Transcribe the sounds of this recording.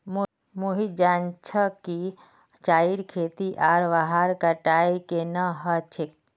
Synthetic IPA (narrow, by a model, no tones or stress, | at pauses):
m | moɦid͡ʒaːnt͡ʃʰəki | t͡ʃaːiɾkʰeːt̪iʔaːɾʋaɦaɾkəʈaːikenəɦət͡ʃʰɪk̚